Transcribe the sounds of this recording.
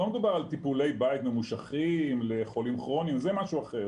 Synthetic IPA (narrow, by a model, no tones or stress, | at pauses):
omed̪ubaʁalt̪ipule̞jbait̪memuʃaχimleχo̞limχʁo̞nimzemaʃuaχe